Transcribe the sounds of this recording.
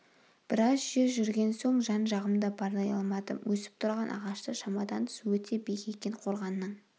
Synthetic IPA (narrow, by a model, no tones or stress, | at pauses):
b̥ɪɾɑzʒʏzʒʏɾɡʲe̞nso̞ɴʒɑnʒɑʁəmd̪ɑbɑɾlˠɑjɑlˠmɑd̪ə̰wʔɵsɪ̥p̚t̪ʰʊɾʁɑnʔɑ̰ʁɑʃt̪əʃɑmɑd̪ɑnt̪ʰə̥swɵt̪ʰe̞bekʲe̞kʲe̞ɴqʰo̞ɾʁɑnːəɴ